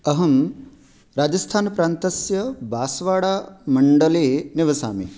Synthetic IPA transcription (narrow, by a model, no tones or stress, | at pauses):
ɐɦɐm | ɾaːd͡ʒɐst̪ʰaːnɐpɾaːnt̪ɐsjɐbʱaːsʋaːɽaːmɐɳɖɐleːnɪʋɐsa̰ːmḭ